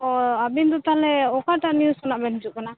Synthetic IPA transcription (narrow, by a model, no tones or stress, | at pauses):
ɔabind̪ɔt̪aɦlɛɔkaʈaʔnjuskɔnaʔbɛnd͡ʒuʔkana